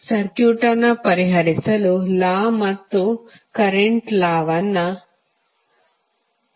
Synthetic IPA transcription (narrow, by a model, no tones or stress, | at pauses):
sɐɾkjuːʈɐnɐpɐɾiɦɐɾisɐlulaːmɐt̪ːu | kɐɾeɳʈlaːʋɐnːɐ